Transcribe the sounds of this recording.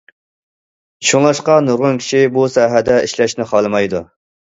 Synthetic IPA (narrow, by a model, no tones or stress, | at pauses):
ʃuŋlˠɑʃqɑnuɾʁʊnkʲʰi̥ʃibusɑːɦɛd̪ɛiʃlɛʃnɪχʰɑlˠɨmɑjd̪ṵ